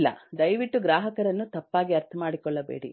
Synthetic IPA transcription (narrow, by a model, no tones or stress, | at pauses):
lːɐ̰d̪ɐjʋiʈːuɡɾaːɦɐkɐɾɐnːut̪ɐpːaːɡiɐɾt̪ʰɐmaːɽikɔɭːɐbḛːɽḭ